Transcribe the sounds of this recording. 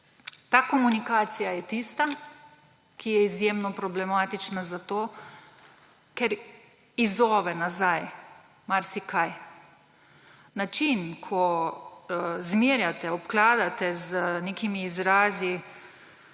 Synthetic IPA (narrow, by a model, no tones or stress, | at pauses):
t̪aːkɔmunikaːt̪sijajɛt̪ist̪a | kijɛizjeːmnɔpɾɔblɛmaːt̪it͡ʃnazat̪oː | kɛɾ | izɔːʋɛnazaj | maɾsikʰaj | nat͡ʃinkʰɔ | zmiːɾjat̪ɛɔpklaːd̪at̪ɛzneːkimiːzɾaːzi